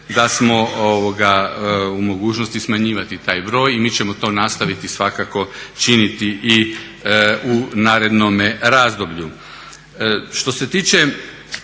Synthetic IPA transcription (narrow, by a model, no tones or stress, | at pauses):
d̪asmo̞oʋoɡaumo̞ɡuːt͡ʃnost̪ismaɲiːʋat̪it̪aːjbɾo̞ːjimiːt͡ɕe̞mot̪o̞nast̪aʋit̪isʋakako̞t͡ʃinit̪iʔi | unaːɾe̞d̪nomeɾaːzd̪o̞bʎu | ʃt̪o̞se̞t̪iːt͡ʃe̞